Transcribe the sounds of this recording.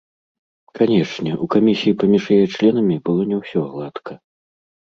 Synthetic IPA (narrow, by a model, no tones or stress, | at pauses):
kʰanʲɛʂnʲɛʔukamʲisʲijːpɐmʲiʂjajɛt͡ʂlʲɛnɐmʲibɨlˠɔnʲɛwsʲɔɣlˠat̪kʰɐ